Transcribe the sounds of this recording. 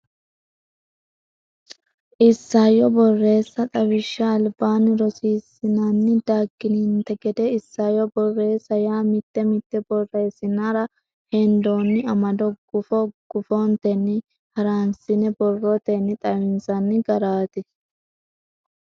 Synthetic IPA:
ʔɪsːaːjɔbɔrːe̞ːsːɐt̪ʼɐbɪʃːɐːlbaːnːɪɾɔsiːsːɪnaːnːɪd̪aːɡːɪnint̪ɛɡɛd̪ɛɪsːaːjɔbɔrːe̞ːsːɐjaːmɪt̪ːɛmɪt̪ːɛbɔrːe̞ːsːɪnaɾɐ | hɛnd̪oːnːɪɐmɐd̪ɔɡ̥ʊfɔɡ̥ʊfoːnt̪ɛnːɪ | hɐɾaːnsɪnɛbɔrːot̪ɛnːɪt̪ʼɐwɪnsɐnːɪɡɐɾaːt̪ɪ

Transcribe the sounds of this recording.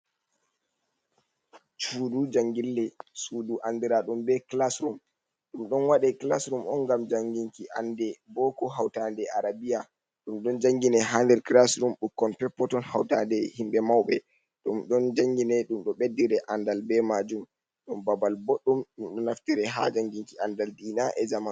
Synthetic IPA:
t͡ʃuːdud͡ʒaŋɡilːɛsuduʔandiɾaɗumbɛklasɾum | ɗumɗɔnwaɗɛklasɾumʔɔnɡamd͡ʒaŋɡiŋkiʔa̰ndɛbɔkɔɦawtandɛʔaɾabija | ɗumɗɔnd͡ʒaŋɡinɛɦandɛɾklasɾumɗukːɔnpɛpːɔtɔnhawtadɛhimɓɛmawɓɛ̰ | ɗumɗɔnd͡ʒaŋɡinɛɗumɗɔɓedːiɾɛʔandalbɛmad͡ʒum | ɗɔnbabalboɗːumɗumɗɔnaftiɾɛɦa̰d͡ʒaŋɡiŋkiandaldiːnaʔɛzaman

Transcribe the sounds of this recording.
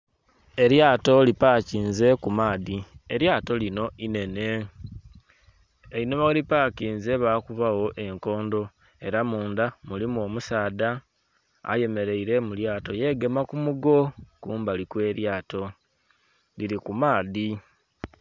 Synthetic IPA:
e̞ɾjaːto̞lipaːciːnze̞kumaːðieɾjaːto̞lino̞ine̞ne̞ | einoβalipaːciːnze̞βaːkuβawo̞ʔe̞ŋko̞ːndo̞ | e̞ɾamuːndamulimoːmusaːda̰ː | je̞me̞ɾe̞iɾe̞muljaːto̞je̞ɡe̞makumuɡo̞kuːmbalikwe̞ːɾjaːto̞ | liɾikumaːði

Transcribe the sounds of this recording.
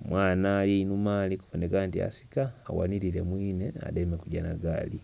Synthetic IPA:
mwaːnaːlinumaːlikuvonekaːntia̰si̥ka̰ːwa̰niɾile̞mwiːnea̰demekuɟanaɡa̰ːli

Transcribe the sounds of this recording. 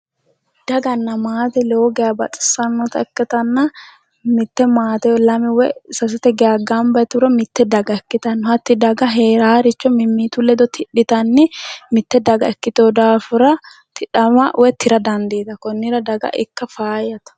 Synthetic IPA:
d̪̥ɐɡɐnːɐmaːt̪ɛloːɡɛɐbɐ̰t̪ʼɪ̥sɐnːɔt̪ɐɛkːɛt̪ɐnːɐ | mɪt̪ːɛmaːt̪ɛɔlɐmɪwɛsɐs̬ɪt̪ɛɡɛɐɡaːmbɐt̪ʊɾɐmɪt̪ːɛd̪ɐɡɐɛkːɪt̪ɐnːɔhɐt̪ːɪd̪ɐɡɐɦeːɾaːɾɪt͡ʃːɔmɪmːiːt̪ulɛd̪ɔt̪ʰɪᶑɪt̪ɐnːɪmɪt̪ːɛd̪ɐɡɐɛkːɪt̪oːd̪aːfʊɾɐ | t̪ɪᶑɐmɐwɛt̪ːɪɾɐd̪ɐnd̪eːt̪ɐkɔnːɪɾɐd̪ɐɡɐ̰ʔɪkːɐfaːjɐt̪ɐ̥

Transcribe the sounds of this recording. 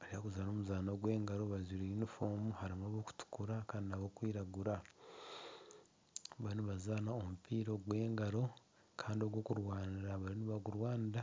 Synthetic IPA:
aɾihakuzano̞ːmuzaːno̞ɡwe̞ːŋɡaɾo̞βaziɾiinifoːmuhaɾimoβoku̥tu̥kuɾakaːndinaβoːkwiːɾaɡuɾa | βaliniβazaːnaomupiːɾo̞ɡwe̞ːŋɡaɾo̞ | kʰaːndio̞ɡwo̞ːkuɾwaːniɾaβaɾiniβaɡuɾwaːniɾa

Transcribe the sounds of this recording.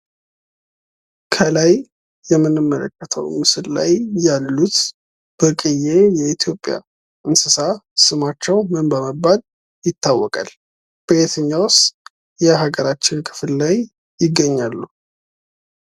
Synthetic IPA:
kʰəlaj | jɛmːɨnːɨmːələ̰kːət̪ʰə̰wmɨsɨlla̰jːalːut̪ | b̥əkʼɨjːejɛit̪ʰjo̞pʼːja̰ | ʔɨnsɨsasɨmat͡ʃːɛwmɨnbəməbːad̪ | jɪt̪ːawːɔkʼa̰l | b̥əet̪ʰəɲːawʊst̪ | jɛɦaɡəɾat͡ʃːɪnkʰɨfɨllajː | ɪɡːəɲːalːu

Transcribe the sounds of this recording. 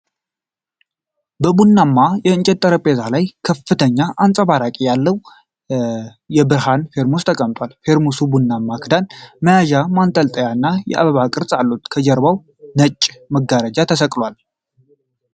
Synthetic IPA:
bəbunːamːajɛɨnt͡ʃʼɛt̪ʼːəɾəpʼezalajkʰəfːɨt̪ʰəɲːaʔansʼəβaɾakʼijalːəw | jɛbɨɾhanfe̞ɾmost̪ʰəkʼəmt̪ʼwalfe̞ɾmusubunːamːakʰɨd̪anməjaʒamant̪ʼəlt̪ʼəjaɨnːajɛ̰ʔa̰βəβakʼɨɾsʼalːut̪kʰəd͡ʒɛɾβaw | nət͡ʃʼːməɡaɾəd͡ʒat̪ʰəsəkʼlwal

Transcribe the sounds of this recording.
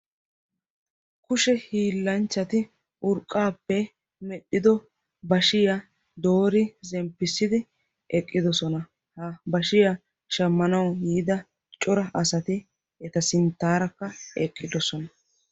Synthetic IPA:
kʊʃɛhiːlːɐnt͡ʃːɐt̪ɪ | ʔʊɾkʼːaːpːɛ | mɛɗɪd̪ɔ | bɐʃɪjɐ | d̪o̞ːɾɪzɛmpːɪsːɪd̪ɪ | ɛkʼːɪd̪ɔsɔnɐ | hɐbɐʃɪja | ʃɐmːɐnɐwjiːd̪ɐ | t͡ʃʼɔɾɐʔɐsɐt̪ɪ | ɛt̪ɐsɪnt̪ːaːɾɐkːɐɛkʼːɪd̪ɔsɔnɐ

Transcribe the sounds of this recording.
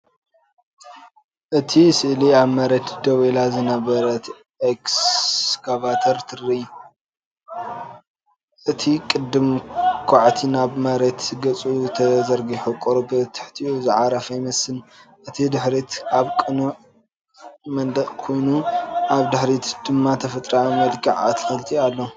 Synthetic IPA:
ʔɨt̪ʰisɨʔliaβmɐɾet̪d̪ɐwelazɨnɐβɐɾɐt̪ | ʔekskʰavat̪ʰɐɾt̪ʰɨrːi | ʔɨt̪ʰikʼɨd̪ːɨmkʰaʕt̪ʰinaβmɐɾet̪zɨɡɐt͡sʼut̪ʰɐzɐɾɡiħukʼoɾobɐt̪ʰɨ̥ħt̪ʰiʔuzɨʕaɾɐfɐjmɐsɨnʔɨt̪ʰid̪ɨħɾit̪aβkʼɨnɨʕ | mɐnd̪ɐχʼkʰo̞jnuʔaβd̪ɨħɾit̪d̪̥ɨmːat̪ʰɐfɐt̪ʼɾamɐlkʰɐʕa̰t̪ʰxɐlt̪ʰialːo

